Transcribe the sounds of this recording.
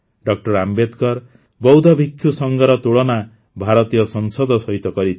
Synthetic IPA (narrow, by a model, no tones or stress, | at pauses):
ɖʌk̚ʈʌrambet̪kʌr | bʌwd̪ʌbʱikʰjusʌŋɡʌɾʌt̪uɽʌna | bʱaɾʌt̪ijʌsʌnsʌd̪ʌsʌit̪ʌkʌɾi